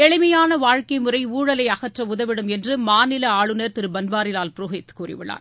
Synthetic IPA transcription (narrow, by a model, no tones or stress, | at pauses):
ɛɻɪmɐjaːnɐʋaːɻkɐɪmɯrɐɪuːɻɐlɐɪɐɣɐʈrɐʊðɐʋɪɽɯmɛndrɯmaːnɪlɐaːɭɯnɐɾt̪ɪɾɯbɐnbaːɾɪlaːlpɾʊɦɛt̪kuːrɪ̰ʋɪɭa̰ːn